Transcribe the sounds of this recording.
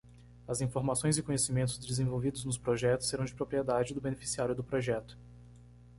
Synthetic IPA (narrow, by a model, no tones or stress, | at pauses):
ɐzĩfoɾmasõj̃zɪkõɲesimẽt̪ʊzd͡ʒɪzẽvowvid̪ʊznʊspɾoʒɛt̪ʊsːeɾɐ̃w̃d͡ʒɪpɾopɾied̪ad͡ʒɪd̪ʊbenefi̥siaɾjʊd̪ʊpɾoʒɛt̪ʊ̥